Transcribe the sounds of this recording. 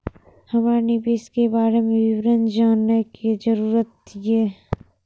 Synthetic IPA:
hɐmɾanɪbeːskebaːɾemẽʋɪwɾənd͡ʒaːnːəkid͡ʒəɾuːɾət̪jɛː

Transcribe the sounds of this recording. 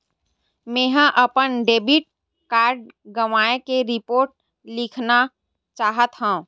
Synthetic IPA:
mẽːɦãʔəpənɖeːbiʈ̚ | kaːɾɖ̚ɡəʋaːekeɾɪpoːɾʈ̚ | lɪkʰna | t͡ʃaːɦət̪ɦã

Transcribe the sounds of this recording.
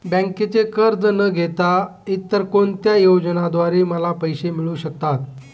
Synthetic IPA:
bə̃ŋket͡sekəɾd̪ʱnəɡʱet̪ait̪ːəɾkont̪jajod͡zənad̪ʋaɾiːməlapəjɕemiɭũɕək̚t̪at̪

